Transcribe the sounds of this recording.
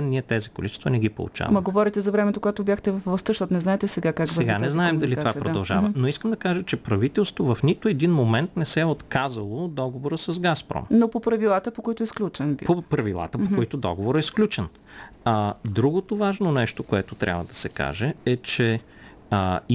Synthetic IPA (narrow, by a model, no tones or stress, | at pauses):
ɛnnːiɛt̪ɛzikolit͡ʃɛ̥st̪vɐnɛɡipo̰lˠṵt͡ʃa̰vmɐmɡovɔɾit̪ɛzɐvɾɛmɛt̪okojat̪objaxt̪ɛvɐfvlˠɐst̪əʃt̪ɔt̪nɛznaɛt̪ɛsɛɡakakzɛɡanɛznaɛmd̪ɐlit̪ovapɾodd̪ɐlˠʒa̰vənoiskəmd̪ɐkaʒət͡ʃɛpɾɐvit̪ɛlˠst̪vovɐfnit̪ʊɛd̪inmomɛnt̪nɛsɛot̪kazɐlˠod̪ɔɡovoɾəsɐzɡaspɾɔ̰mnopopɾɐvilˠat̪əpokoit̪ʊɛsklʲut͡ʃɛnbipopɾɐvilˠa̰t̪əpooit̪od̪ɔ̰ɡovoɾɛsklʲut͡ʃɛn | d̪ɾuɡot̪ovaʒnonɛʃt̪okoɛt̪ot̪ɾʲa̰bvəd̪ɐsɛka̰ʒɛɛt͡ʃɛ